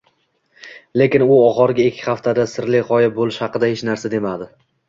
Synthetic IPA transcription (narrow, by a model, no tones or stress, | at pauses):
le̞kʲɪnʊɒʁɒɾɡʲaekʲʰːɪ̥χaft̪ʰad̪asɪɾlɪʁɒjabolɪʃhɑqɨd̪ahe̞t͡ʃnaɾsad̪e̞mad̪ɪ